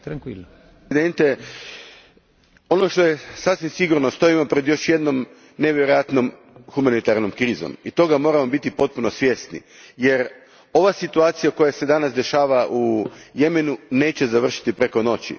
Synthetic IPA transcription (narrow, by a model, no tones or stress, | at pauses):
t̪ɾaŋkiln | d̪ent̪e | o̞no̞ʃt̪o̞je̞sasʋimsiɡuɾnost̪o̞imo̞pɾe̞d̪jo̞ʃje̞d̪no̞m | ne̞ʋjeɾojat̪no̞m | xumanit̪aɾno̞mkɾiːzo̰mit̪o̞ɡamo̞ːɾamo̞bit̪ipo̞t̪̚puno̞sʋje̞st̪nḭ | je̞ɾ | o̞ʋasit̪uaːt̪sijako̞jase̞d̪anasd̪e̞ʃaːʋaʔuje̞me̞nune̞ːt͡ɕe̞zaʋr̩ʃi̥t̪ipɾe̞ko̞no̞t͡ɕḭ